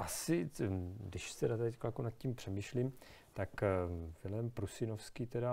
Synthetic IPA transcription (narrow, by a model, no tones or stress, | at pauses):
ʔasɪ | dɪʃst̪ɛdat̪cklakunat̪̚cimpr̥ɛmiʃlim | t̪akvɪlɛmpɾusɪnofskiːt̪ɛda